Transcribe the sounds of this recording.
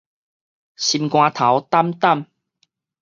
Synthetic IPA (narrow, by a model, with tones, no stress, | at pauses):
ɕi˧mkw̃ãː˧t̪ʰa˨˦wt̪a˦˥mt̪a˥˨m